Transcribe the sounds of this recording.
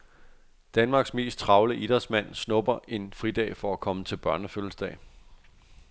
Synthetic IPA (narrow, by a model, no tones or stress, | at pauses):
d̥ænmɑ̈ːɡ̥sme̝̰ːsd̥̚t͡sʰʁɑ̈ʊləʔid̥ɐsmæn̰snɔ̽b̥ɐʔe̝nfʁid̥ɛ̰ːfɒ̽ækʰɒ̽mət͡sʰe̝lb̥ɶɐnəfølsd̥ɛ̰ː